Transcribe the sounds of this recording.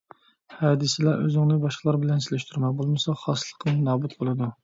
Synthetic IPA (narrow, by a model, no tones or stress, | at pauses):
hɑːd̪ɨsɪlɛʔø̰zɪŋnɪbɑʃqəlˠɑɾbɪlɛnsɪlɪʃt̪ʰyɾmɛbolˠmɨsɑχɑːslˠə̥qʰɨŋnɑːbut̪̚bolˠɨd̪u